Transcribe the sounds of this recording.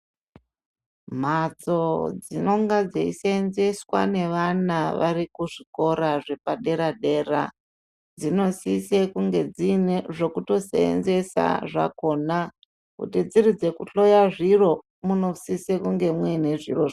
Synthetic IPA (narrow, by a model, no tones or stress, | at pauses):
m̤at͡sod͡zino̞ŋɡad͡zeiseenze̞swa̰ne̞ʋanaʋaɾikuʐiko̞ɾaʐe̞paɗe̞ɾaɗe̞ːra̰ | d͡zino̞sisekuŋɡe̞d͡zineʐo̞kuto̞sḛḛnze̞sa̰ʐa̰ko̞na | kṵtid͡zirid͡ze̞kuɬo̞jaʐiro̞ | muno̞sisekuŋɡe̞mwene̞ʐḭroʐ